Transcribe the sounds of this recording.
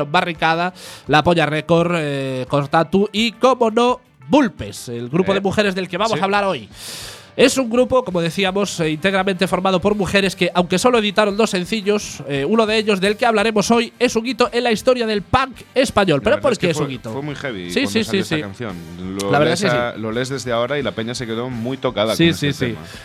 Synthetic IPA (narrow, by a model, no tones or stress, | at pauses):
ombarikað̞alapoɲarekoɾkoɾt̪at̪uikomono | bulpeselɣɾupoðemuxeɾezðe̞lke̞β̞amoaβlaɾo̞j | e̞suŋɡɾupoko̞moð̞e̞θiamo̞sint̪e̞ɣ̞ɾamẽnt̪e̞fo̞ɾmað̞o̞po̞ɾmuxeɾe̞skeʔawŋke̞so̞loeðit̪aɾond̪osːẽ̞n̟θiʎoseunoðeeʎo̞zðe̞lkeaβlaɾe̞moso̞je̞suŋit̪oʔe̞nlaist̪o̞ɾjaðe̞lpaŋk | e̞spaɲo̞lpeɾopoɾskees̬uŋit̪ofwemujxeβḭsianosiesianθjo̰nlolaβɾðaeseslolezðezðeaoɾailapeɲasekeðomujt̪okaðaksissḭ